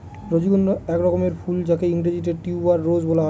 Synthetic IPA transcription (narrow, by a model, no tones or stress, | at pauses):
ɾod͡ʑiɡonːoɛkɾɔkomeɾpʰuld͡ʑakeiŋʈed͡ʑiʈ̬eɖʈiuaɾːod͡ʑbolaɦɔ